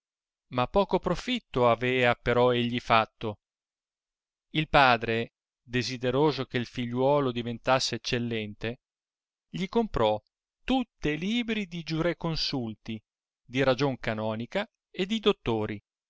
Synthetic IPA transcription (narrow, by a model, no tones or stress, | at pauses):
mapːɔːkopɾofit̪ːoavɛːapeɾɔeʎːifat̪ːo | ilpaːd̪ɾe | d̪ezid̪eɾoːzok̟eilfiʎːwɔːlod̪ivent̪asːeːt͡ʃːelːɛnt̪e | ʎikompɾɔ | t̪ut̪ːeliːbɾid̪id͡ʒuɾɛkːonsult̪i | d̪iɾad͡ʒoŋkanɔːnika | ed̪ːid̪ot̪ːoːɾi